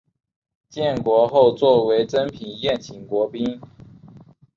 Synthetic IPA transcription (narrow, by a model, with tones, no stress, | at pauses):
t͡ɕjɛ˥˩nkwɔ˧˥xo˥˧ʊt͡swɔ˥˩we˧˥ɪʈ͡ʂə˥npʰi˨˩ŋjɛ˥˩nt͡ɕʰi˨˩ŋkwɔ˧˥pi˥n